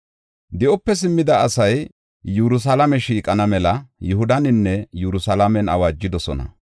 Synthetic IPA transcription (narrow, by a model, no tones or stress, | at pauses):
d̪ɪʔɔpːɛsɪmːɪd̪ɐːsɐj | jʊɾʊs̬ɐlɐmɛʃiːkʼɐnɐmɛlɐjʊhʊd̪ɐnɪnːɛjʊɾʊsɐlamɛnɐ̰waːd͡ʒːɪd̪ɔsɔ̰nɐ̰